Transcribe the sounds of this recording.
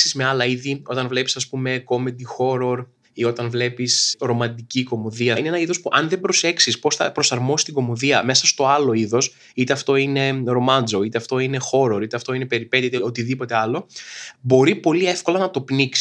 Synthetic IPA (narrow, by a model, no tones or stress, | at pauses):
sizme̞ɐlɐiðio̞t̪ɐnvle̞pi̥sɐspume̞ko̞med̪ixo̞ɾo̞ɾ | io̞t̪ɐnvle̞pisɾo̞mɐnd̪iciko̞mo̞ðiɐinenɐiðo̞spuʔɐnðe̞bɾo̞se̞ksispo̞sθɐ̰pɾo̞sɐɾmo̞si̥st̪iɡo̞mo̞ðiɐme̞sɐst̪o̞ɐlo̞iðo̞s | it̪e̞ɐft̪o̞ine̞ɾo̞mɐnd͡zo̞it̪e̞ɐft̪o̞ine̞xo̞ɾo̞ɾit̪eɐft̪o̞inepe̞ɾipe̞t̪it̪iot̪iðipo̞t̪e̞ɐlo̞bo̞ɾipo̞lie̞fko̞lɐnɐt̪o̞pniksi̥